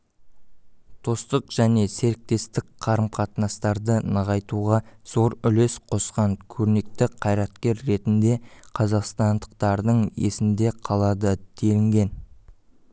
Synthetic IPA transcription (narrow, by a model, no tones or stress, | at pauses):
t̪ʰo̞st̪əqʒ̥æne̞se̞ɾɪk̚t̪e̞st̪ɪkqʰɑɾəmqʰɑt̪nɑst̪ɑɾd̪ənəʁɑjt̪uʁɑz̥o̞ɾʏle̞sqʰo̞sqɑŋkʲʰɵɾne̞k̚t̪ɪqʰɑjɾɑt̪kʲe̞ɾːe̞t̪ɪnd̪e̞qʰɑzɑqst̪ɑnd̪əq̚t̪ɑɾd̪əɴe̞̰sɪmd̪e̞qʰɑlˠɑd̪əd̪̥e̞lɪŋɡʲe̞n